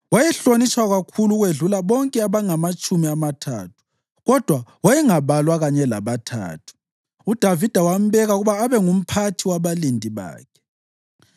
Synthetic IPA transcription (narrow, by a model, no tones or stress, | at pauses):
wajɛɬonit͡ʃwaɣakʰuluɣweɮulaβɔŋkʼɛaβaŋamat͡ʃʼumiamatʰa̰ːtʰu̥ | ɣɔd̥ʱwawajɛŋaβalwaɣaɲɛla̰βatʰa̰ːtʰu̥ | ud̥ʱavid̥ʱawam̩βɛɣauɣuβaːβɛŋum̩pʰatʰiwaβalindʱʼiβa̰ːkʰɛ̥